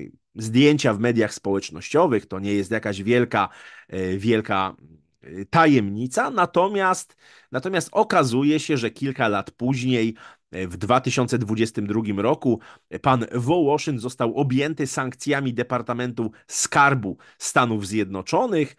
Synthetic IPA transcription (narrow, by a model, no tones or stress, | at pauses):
zd̪ʲjeɲt͡ɕavmɛd̪ʲjaxspɔwɛt͡ʂnɔɕt͡ɕɔvɘxt̪ɔɲɛjɛst̪jakaʑvʲjɛlka | vʲjɛlka | t̪ajɛmɲit̪sanat̪ɔmʲjast̪ | nat̪ɔmʲjast̪ɔkazujɛɕɛʐɛkʲilkalat̪puʑɲej | vd̪vat̪ɘɕɔnt̪sɛd̪vud͡ʑɛst̪ɘmd̪ɾuɡʲimɾɔkupanvɔwɔʂɘŋɡzɔst̪awʔɔbʲjɛnt̪ɘsaŋkt̪sʲjamʲid̪ɛpaɾt̪amɛnt̪uskaɾbu | st̪anuvzʲjɛd̪nɔt͡ʂɔnɘx